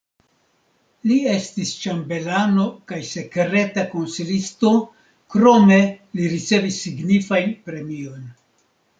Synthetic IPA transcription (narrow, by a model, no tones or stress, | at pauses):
lie̞stist͡ʃambe̞lano̞kajse̞kɾe̞tako̞nsilisto̞ | kɾo̞me̞liɾit͡se̞visːiɡnifajnpɾe̞mio̞n